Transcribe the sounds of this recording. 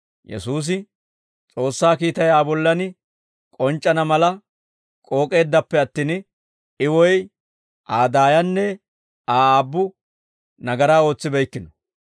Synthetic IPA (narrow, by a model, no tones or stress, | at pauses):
jɛ̰suːs̬ɪ | t͡sʼo̞ːsːaːkiːt̪ɐjaːbɔlːɐnɪ | kʼɔnt͡ʃʼːɐnɐmɐlɐ | kʼo̞ːkʼe̞ːd̪ːɐpːɛɐt̪ːiːn | ɪwɔj | ʔaːd̪aːjɐnːɛ | aːaːbːʊ | nɐɡɐɾaːo̞ːt͡sːɪbɛjkːɪnɔ